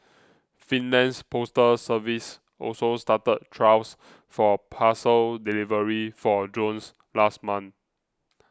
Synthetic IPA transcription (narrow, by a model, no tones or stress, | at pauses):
fĩnlɛ̃nspʰostəsəvis | ʔɔ̰lsostatət̚tʰɹaws | fɔpʰasəldilivəɹifɔd͡ʒõns | lastmãn